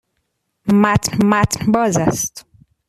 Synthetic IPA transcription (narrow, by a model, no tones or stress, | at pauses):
mæt̪ʰnmæt̪ʰnbɒːzæst̪